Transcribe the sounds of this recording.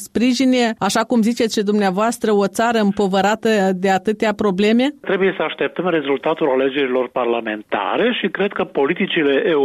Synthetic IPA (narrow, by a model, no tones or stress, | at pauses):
spɾiʒine̞aʃakumzit͡ʃet̪ʃid̪umneavoast̪ɾəo̞t̪saɾəɨmpo̞vəɾat̪əd̪e̞at̪ɨt̪eapɾo̞ble̞me̞t̪ɾe̞buje̞səaʃt̪e̞p̚t̪əmre̞zult̪at̪ulale̞d͡ʒe̞ɾilo̞rparlame̞nt̪a̰ɾe̞ʃikɾe̞d̪̚kəpo̞lit̪it͡ʃile̞ʔe